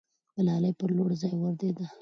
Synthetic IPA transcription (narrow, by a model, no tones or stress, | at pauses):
b̪əlɑləjpəɾloɽzɑjwəɾd̪ed̪a